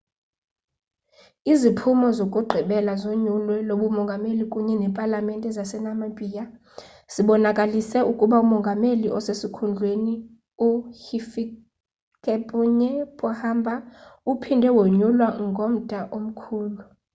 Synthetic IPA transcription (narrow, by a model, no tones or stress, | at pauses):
izipʰumɔzokʼuɡ͡ǃʱiɓɛlazoɲulwɛloɓumɔŋɡʱamelikʼuɲɛnɛpʼalamɛntʼɛzasɛnamabʱʼija | z̥iɓɔnakʼalisɛukʼuɓaumɔŋɡʱameliʔɔsesikʰund͡ɮʱweni | uhifi | kʼɛpʼuɲɛpʼɔhambʱaupʰindʱɛwoɲulwaŋɡʱom̩dʱʼaʔom̩kʰuːlu